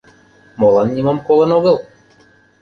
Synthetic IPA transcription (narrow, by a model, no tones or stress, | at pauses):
molˠɑnːʲimomkolˠɤ̆noɣɤ̆lˠ